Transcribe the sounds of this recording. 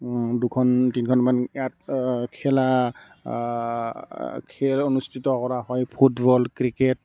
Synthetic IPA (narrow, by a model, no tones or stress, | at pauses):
dukʰɔntinkʰɔnmanat̚kʰɛla | kʰɛlonustʰitɔkɔɹaɦɔjpʰutbɔlkɹiket